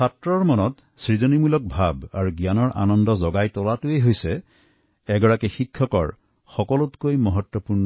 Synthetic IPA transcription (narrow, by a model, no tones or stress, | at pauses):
satɹɔɹmɔnɔt | sɹizonimulɔk̚bʱabaɹuɡijanɔɹʔa̰nɔndɔzɔɡajtɔlatuejɦojsɛ | ɛɡɔɹakixikʰːɔkɔ̰ɹ | xɔkɔlɔtkojmɔɦɔtwɔpuɹnɔ